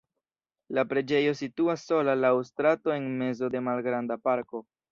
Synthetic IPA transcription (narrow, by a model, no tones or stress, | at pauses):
lapɾe̞d͡ʒe̞jo̞situasːo̞lalawstɾato̞e̞nme̞zo̞de̞malɡɾandapaɾko̞